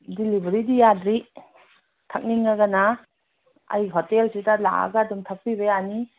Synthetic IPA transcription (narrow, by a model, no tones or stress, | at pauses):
dilibɾidijadɾi | tʰak̚niŋːaɡana | ɐ̰jɦotelsitala̰a̰ɡadumtʰak̚pibeani